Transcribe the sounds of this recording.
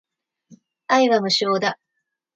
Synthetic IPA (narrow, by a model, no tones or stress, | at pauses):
aiβamɯ̟ɕoːd̪a